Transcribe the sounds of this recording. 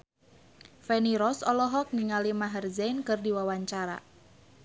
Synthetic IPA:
fɛniɾɔsɔlɔɦɔk̚niŋalimaɦərzɛjnkɨrdiwawaɲt͡ʃaɾa̰

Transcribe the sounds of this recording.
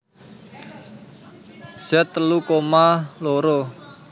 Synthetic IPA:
sɛt̪ːəlukomaloɾo

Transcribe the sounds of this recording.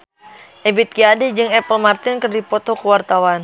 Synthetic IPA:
ʔɛbit̪̚kiadid͡ʒɨŋɛpəlmart̪inkɨrdipɔt̪ɔkuwart̪awan

